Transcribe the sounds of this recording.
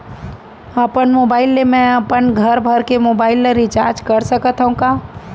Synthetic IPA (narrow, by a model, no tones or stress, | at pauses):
ɐpənmoːbaːɪlːemɛ̃ɐpənɡʱɐɾbʱəɾkemoːbaːɪlːəɾɪt͡ʃaːɾd͡ʒkɐɾsəkət̪ʰɦũkaː